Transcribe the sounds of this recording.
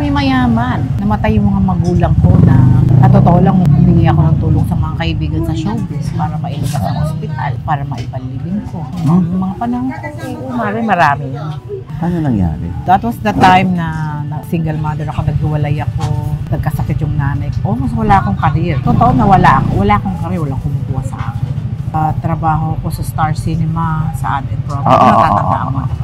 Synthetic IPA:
mimɐjaːmɐnːɐmɐt̪ajːʊŋmɐŋamɐɡuːlɐŋko̞nɐkɐt̪ot̪oʔolaŋmɐbubɪɡijɐko̞nɐŋt̪uːloŋsɐmɐŋakɐʔɪbiːɡɐnsɐʃoːbɪpaːɾɐmɐʔɪlɪɡasɐkonɐpɪt̪a̰lpaːɾɐmɐʔɪpɐliːbɪŋko̞jʊŋmɐŋapɐnaŋkajʔomaɾajmɐɾaːmɪjon | anonɐŋja̰ːɾɪ̰d̪̥ɐt̪wɐsd̪ɐt̪ajmnɐnɐɡsiŋɡɐlmad̪ɛɹɐko̞nɐɡ̚hɪwɐlajɐko̞nɐɡ̚kɐsɐkɪt̪jʊŋnaːnɐjko̞mɐswɐlaʔɐkoŋkɐɾjɛɾɐt̪ut̪oʔod̪nɐwɐlaʔɐkowɐlaʔɐkoŋkɐɾɛwɐlakʊmuɡuːhɐsɐ̰ʔa̰ːkɪnat̪ɾɐbaːɦo̞ɐko̞sɐst̪aɹsinɛmasɐ̰ʔaːt̪ɪnpɾoɡ̰anɐaːt̪a̰a̰ʔa̰ŋmɐa

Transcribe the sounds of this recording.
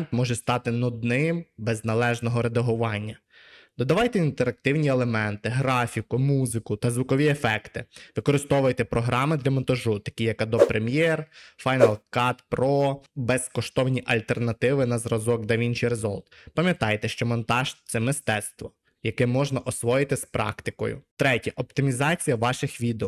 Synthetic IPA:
nt̪mɔʒɛst̪ɑt̪ɪnɔd̪nɪmbɛznɐlˠɛʒnɔɦɔɾed̪ɐɦʊʋɑnʲːɐ | d̪ɔd̪ɐʋɑjt̪ɛint̪eɾɐk̚t̪ɪwnʲielˠemɛnt̪ɪɦɾɑfʲikʊmuzɪkʊt̪ɐzʋʊkɔʋʲiefɛkt̪ɪ̰ʋɪkɔɾɪst̪ɔʋʊjt̪ɛpɾɔɦɾɑmɪd̪lʲɐmɔnt̪ɐʒut̪ɐ̥kʲijɐkɐd̪ɔpɾemʲjɛrfɑjnɐlˠkɑt̪pɾɔbɛskɔʃt̪ɔwnʲiʔɐlʲt̪ernɐt̪ɪʋɪnɐzɾɐzɔkd̪ɐʋʲint͡ʃijɾezɔ̰lˠt̪pɐmʲjɐt̪ɑjt̪ɛʃt͡ʃɔmɔnt̪ɑʒt̪sɛmɪst̪ɛt̪st̪ʋɔ | jɐkɛmɔʒnɐʔɔsʋɔjɪt̪ɪspɾɑ̰kt̪ɪkɔ̰jʊ̰t̪ɾɛtʲɐʔɔpt̪ɪmʲizɑt͡sʲijɐʋɑʃɪxʋʲid̪eɔ

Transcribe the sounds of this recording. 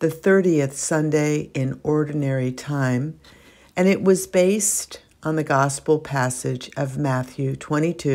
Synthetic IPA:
ðɨθɜ˞ɾiɨθsʌ̃ndeɪʔɪ̃nɔɹdⁿn̩ɛɹitʰãɪ̃m | ɨ̃ñɨʔ̚wʌzbeɪst | n̩ðɨɡɑspl̩ˠpʰæsɪd͡ʒʌvmæθjʉtʰw̥ɛ̃ɾ̃itʰʉ

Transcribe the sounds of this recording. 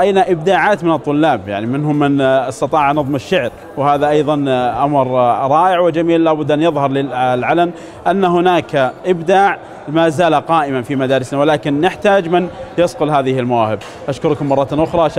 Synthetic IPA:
ʔajnaʔɪb̚d̪aːʕaːt̪mɪnɨt̪ˤːʊlːaːbja̰ʕnimɪnɦʊmːɪnɑst̪ɑt̪ˤɑːʕnɑðˤmɪʃːaʕɾ | whaːðaʔɑjðˤɑnʔamɾɾˤɑːʔɪʕwɪd͡ʒamiːlːaːbʊd̪ːʔanːjɪðˤhɑɾˤlɪlʕalam | ʔanːaɦʊnaːkaʔɪbd̪aːʕ | maːzaːlaqɑːʔɪmafimad̪aːɾɪsnawɪlaːkɪnːɪħt̪aːd͡ʒmɪnjɑsqʊlɦaːðɪhɪlmawaːhɪb | ʔaʃkʊɾkʊmːɑrˤːɑt̪nʔʊxɾˤɑ

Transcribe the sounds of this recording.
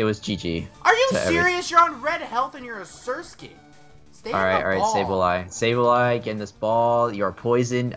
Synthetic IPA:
ɨt̚wʌzd͡ʒid͡ʒḭʔə˞jɨɛɪɹiɨsjə˞ə̃nɹɛd̚hɛlˠθɨ̃njə˞ɨsɜ˞ske | steɔ̰ɹaɪt̚ɑ̰ɹaɪseɪbəlaɪseɪbəlaɪɡɛɨ̃nðɪsb̥ɔlˠjə˞əpʰɔɪzɨ̃n

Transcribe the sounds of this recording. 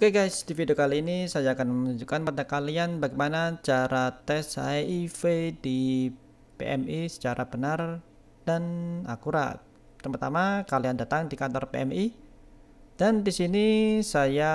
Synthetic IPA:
ukaɡajsdifideokaliːnisajaːkanməənuɲd͡ʒukanpadakalianbaɡajmanat͡ʃaɾat̪ɛsa̰ifedi | pḛʔɛmisə̥t͡ʃaɾabənar | d̥ana̰kuɾa̰ | t̪əmart̪amakaliandat̪aŋdikant̪ɔrpḛɛmi | d̥andisinisaja

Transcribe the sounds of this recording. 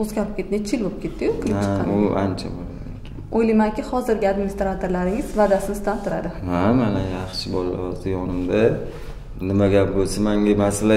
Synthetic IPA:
ozɡʲaɾɪp̚kʲʰe̞t̪ːɪnt͡ʃʰɪlbop̚kʲʰe̞t̪ːɪjʊkʰat͡ʃʊa̰nt͡ʃʰa̰bola̰d̪ɪ | ojlajmaŋkʲɪhɒzɪɾɡʲɪad̪mɪnist̪ɾat̪ʰoɾlaɾɪŋɪzvad̪asɪnɪst̪ant̪ʰʊɾa̰d̪ɪhamanajɑχʃɪbɒla̰ɒzd̪ɪjɒnɪmd̪a | nɪmaɡʲap̚bolsamaŋɡʲamasala

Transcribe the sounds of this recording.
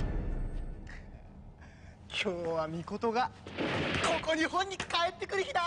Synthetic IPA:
kʲʰoːβamʲiko̞t̪o̞ɡa | ko̞ko̞ɲihõ̞ɲ̟ːikaet̪ːe̞kɯ̟ɾɯ̟çid̪a

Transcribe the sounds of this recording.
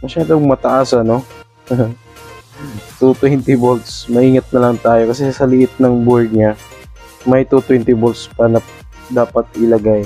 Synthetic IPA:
mɐʃaːd̪oŋmɐt̪ɐʔasɐno̞ | t̪ut̪wɛnt̪ɪbolt̪smɐʔiːŋɐt̪̚nɐlɐŋt̪aːjo̞kɐsɛsɐlɪʔɪt̪̚nɐŋboɹd̪̚ɲa | mɐjt̪ut̪wɛnt̪ɪbolt̪spɐnɐ | d̪aːpɐt̪ʔɪlɐɡaj

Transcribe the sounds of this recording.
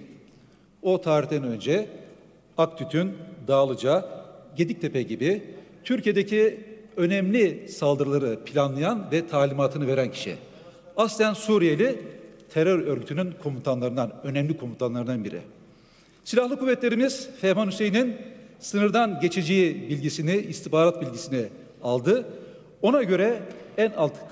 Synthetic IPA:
o̞t̪ʰaːɾiçt̪ænø̞nd͡ʒɛ | akt̪ʰyt̪ʰynd̪aːlˠɯd͡ʒaɟe̞d̪ic̚t̪ʰepʰɛɟibit̪ʰyɾʲcije̞d̪ecʰiø̞nɛmlʲisalˠd̪ɯɾɯlˠaɾɯpʰilʲanlˠajanvɛt̪ʰaːlʲimaːt̪ʰɯnɯve̞ɾæncʰi̥ʃḭ | ast̪ʲænsuɾije̞lʲit̪ʰeɾøɾø̞ɾɟyt̪ʰynynkʰo̞munt̪ʰanlˠaɾɯnd̪anø̞nɛmlʲikʰo̞munt̪ʰanlˠaɾɯnd̪anbiɾɪ̰ | silʲahlˠɯkʰuvːɛt̪lʲe̞ɾimiz̥fɛmanyse̞jininsɯnɯɾd̪anɟe̞t͡ʃʰe̞d͡ʒejibilʲɟisiniist̪ifbaːɾat̪̚bilʲɟisini | alˠd̪ɯ | o̞naɟø̞ɾɛænalˠt̪ʰɯ̥

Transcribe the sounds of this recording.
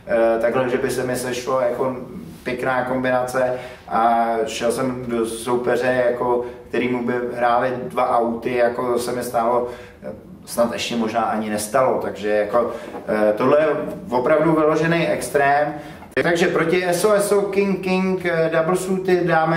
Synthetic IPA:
t̪aɡɦlɛʒɛbɪsɛmɪsɛʃlojako̞pjɛknaːko̞mbɪnat͡sɛ | ʔaʃɛlsɛmdosowpɛr̝ɛjako̞kt̪ɛɾiːmubɪɦɾaːlɪdvaʔawt̪ɪjakosɛmɪst̪aːlo̞ | snat̪ɛʃcɛmo̞ʒnaːʔaɲɪnɛst̪alo̞t̪aɡʒɛjako̞t̪o̞ɦlɛjɛvo̞pɾavduvɪlo̞ʒɛnɛjʔɛkst̪ɾɛːm | t̪aɡʒɛpɾo̞cɪʔɛsoɛsokɪŋkɪŋkdabl̩suːt̪ɪdaːmɛ

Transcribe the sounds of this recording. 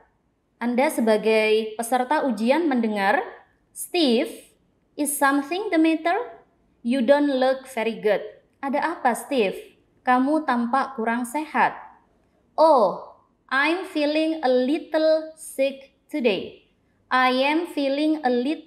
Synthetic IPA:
ʔandasəbaɡajpəsərt̪aʔud͡ʒianməndəŋar | st̪if | ʔɪsːamθɪŋd̪əmɛt̪ər | judonluk̚fɛɾiɡʊt̪̚ | ʔadaʔapast̪if | kamut̪ampaʔkuɾaŋsehat̪̚ | ʔo | ʔajmfilɪŋəlit̪əlsɪk̚ | t̪ude | ʔajɛmfilɪŋəlit

